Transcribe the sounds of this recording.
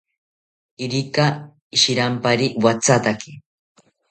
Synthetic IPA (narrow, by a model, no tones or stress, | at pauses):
iɾika | iʃiɾampaɾiwat͡sʰat̪aki̥